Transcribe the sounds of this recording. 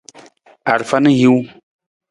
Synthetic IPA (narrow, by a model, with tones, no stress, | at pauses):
a˨ɾfa˦nɨ˦ji˦w